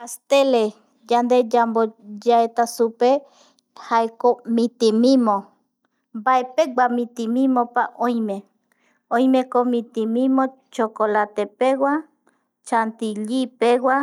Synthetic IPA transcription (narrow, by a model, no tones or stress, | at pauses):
ast̪ele | jand̪ejambojaet̪asupe | haekomit̪imimo | baepeɡ͡bamit̪imimopaʔojme | ojmekomit̪imimo | t͡ʃokolat̪epewa | t͡ʃant̪iʎipewa